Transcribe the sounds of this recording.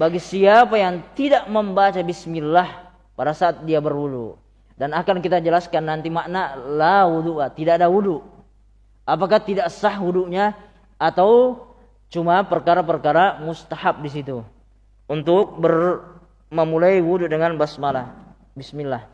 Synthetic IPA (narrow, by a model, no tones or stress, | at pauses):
baɡisiapajaŋt̪idaʔməmbat͡ʃabismilːah | padasaʔːt̪̚diabərwuduʔ | danakankit̪ad͡ʒəlaskanːant̪imaʔnalawuduʔlat̪idaʔadawuduʔ | apakat̪idaʔsahwuduʔɲaː | t̪aw | t͡ʃumapərkaɾapərkaɾamust̪ahap̚dis̬it̪u | unt̪ʊk̚bər | məmulaiwududəŋanbasmalah | bismilːah